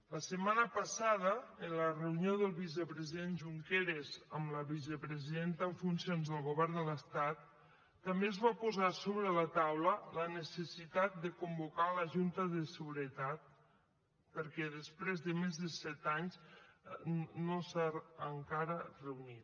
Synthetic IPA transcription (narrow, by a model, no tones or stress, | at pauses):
ləsəmanəpəsaðəənlərəunioðəlˠβiz̬əpɾəziðenʒuŋkeɾezəmləβiz̬əpɾəziðent̪əɱfunsionzðəlˠɣuβɛrnd̪ələst̪at̪ː | əmbezβapuzasoβɾələt̪awlələnəsəsit̪at̪̚d̪əkumbukaləʒunt̪əðəsəɣuɾət̪at̪̚ | pəɾkɛðəspɾezðəmezðəsɛt̪aɲs | nosaəŋkaɾərəunit̪̚